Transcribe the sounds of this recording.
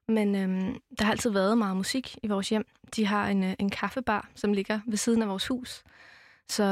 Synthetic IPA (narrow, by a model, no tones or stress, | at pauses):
menød̥ɑhɑ̈æl̰t͡sʰiðˠʋæɐð̞̩ˠmɑ̈ːð̞̩ˠmusiɡ̥iʋɒːsjem̰d̥iɦɑ̈ene̝nkʰɑfəb̥ɑ̰̈ːsɒ̽mle̝ɡ̥ɐʋe̝siːð̞ˠn̩æʋɒːshṵːs | sɒ̽